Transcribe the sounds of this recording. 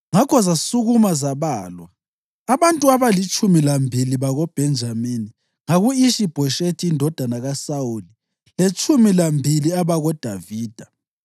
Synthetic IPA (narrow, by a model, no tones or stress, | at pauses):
ŋakʰɔzasuɣumazaβaːlwa | aβantʼuaβalit͡ʃʼumilambʱiliβaɣɔb̥ʱɛnd͡ʒʱamini | ŋaɣuiʃib̥ʱɔʃetʰiːndʱɔd̥ʱanaɣasauli | let͡ʃʼumilambʱiliaβaɣɔd̥ʱaviːd̥ʱa